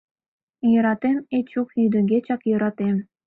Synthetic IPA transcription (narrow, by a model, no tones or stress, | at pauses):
jɤ̆ɾɑt̪emet͡ɕukjyd̪ə̆ŋɡʲet͡ɕɑkjɤ̆ɾɑt̪em